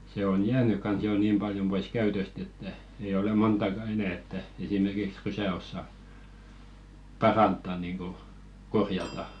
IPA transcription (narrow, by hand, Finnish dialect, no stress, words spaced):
se on jæːny kɑns joˑ niːm b̥ɑljom b̥ois kæytøst etːæ ei ole montɑˑkɑ enæˑ etːæ esimerkiks rysæ osːɑ pɑrɑntːɑ niŋɡ̊u korjɑtɑ